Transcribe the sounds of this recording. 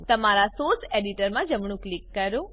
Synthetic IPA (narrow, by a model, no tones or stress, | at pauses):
t̪əmaɾasoseɖiʈəɾmãd͡ʒəmɳ̃ũklikːəɾo